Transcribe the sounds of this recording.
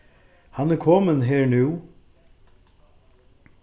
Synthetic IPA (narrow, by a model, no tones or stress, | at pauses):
hɑnæɾkʰɔːmənɦeːɹnʉː